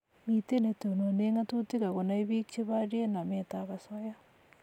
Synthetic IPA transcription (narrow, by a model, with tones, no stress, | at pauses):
ŋi˨te˦ne˨to˨no˨ne˦ŋa˦tu˦ti˦ɣa˨ɣo˨na˨i˦βi˦k̚t͡ʃe˦βa˦ɾje˦na˨meta˨βa˨sɔ˦ja˦